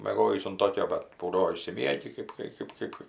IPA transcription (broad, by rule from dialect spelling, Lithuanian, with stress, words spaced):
mʲeːˈɡoːjiːs ʊn ˈtoːkʲoː bɐt ˈbuːdɐʋoː ɪʃʲsʲɪˈmʲiɛɡʲɪ ˈkɜp kɐɪ ˈkɜp ˈkɜp